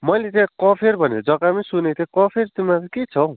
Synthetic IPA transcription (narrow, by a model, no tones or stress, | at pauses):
mʌjlet̪jãkɔpʰeɾbʱʌned͡zʌkamisunet̪ʰjẽkɔpʰert̪imːatket͡sʰʌ